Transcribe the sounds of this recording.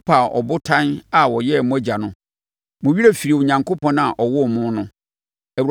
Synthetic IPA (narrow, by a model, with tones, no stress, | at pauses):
pʰa˨ʔɔ̰˨bʊ˦tʰã˦na˨wɔ˨jɛ˦˨mʊ̃˦æ˦d͡ʑa˨nʊ̃˦ | mʊ̃˨ɥi˦ɾe˦fi˨ɾi˨ʊ˨ɲã˨ŋkʰo˦pʰɔ̃˦na˨ʔɔ˨wɔ˦˨mʊ̃˦nʊ̃˦ | æ˨wu˨ɾ